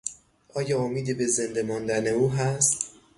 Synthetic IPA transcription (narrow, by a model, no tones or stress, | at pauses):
ʔɒːjɒːomiːd̪ebeze̞nd̪emɒːnd̪æne̞uːɦæst̪